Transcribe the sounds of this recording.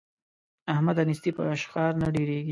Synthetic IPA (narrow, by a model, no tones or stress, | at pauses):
ahmad̪anisd̪ipə̰aʃxɑɾnaɖeɾeɡi